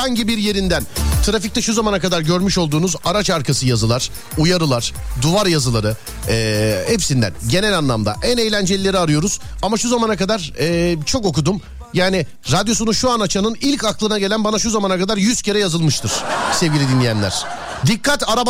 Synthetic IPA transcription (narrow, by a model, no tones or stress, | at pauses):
aɲɟibiɾje̞ɾind̪ænt̪ʰɯɾafic̚t̪ɛʃuzamanakad̪aɾɟøɾmyʃo̞lˠd̪uːnuzaɾat͡ʃaɾkʰasɯjazɯlˠaɾ̥ | ujaɾɯlˠaɾ̥d̪uvaɾjazɯlˠaɾɯ | ɛːhɛpsind̪æ̰nɟe̞nɛlʲanlˠamd̪a̰ʔænejlʲænd͡ʒelʲilʲe̞ɾiaɾɯjo̞ɾuz̥ | amaʃuzamanakad̪aɾɛːt͡ʃʰo̞ko̞kud̪um | jaːnɪ | ɾad̪jo̞s̬unuʃuanat͡ʃʰanɯnilʲcaklˠɯnaɟeænbanaʃuzamanakad̪aɾjyzce̞ɾɛjazɯlˠmɯʃt̪ʰɯɾ̥sevɟilʲɛd̪inːʲijænlʲæ̰ɾ̥ | d̪ikːat̪aɾab